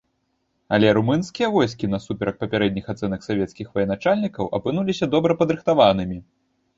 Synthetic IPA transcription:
ɐlʲɛɾumɨnskʲijɐvɔjs̬kʲinɐsupʲɛɾɐk̚pɐpʲaɾɛd̪̚ʲnʲixat̪sɛnɐksavʲɛt̪skʲixvɐjɛnat͡ʂalʲnʲikɐwʔɐ̰pɨn̪ulʲisʲɐd̪ɔbɾɐpɐd̪ɾɨxt̪avanɨmʲi

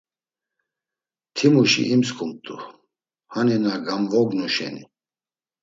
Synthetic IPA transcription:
t̪ʰimuʃḭʔimskʰʼumt̪ʼu | haninaɡamvɔɡnuʃɛ̰nḭ

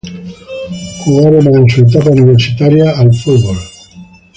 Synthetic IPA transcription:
xuɣaɾemanesuet̪̬apauniβ̞eɾsit̪aɾjaːlfuðβol

